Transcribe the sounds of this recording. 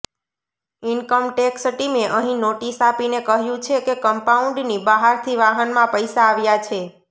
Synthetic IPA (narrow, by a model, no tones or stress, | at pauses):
inkəmʈeksʈimeʔəɦĩnoʈisapinekəɦjũt͡ʃʰekekəmpauɳɖnibaɦaɾt̪ʰiʋaɦənmãpəjsaːʋjat͡ʃʰe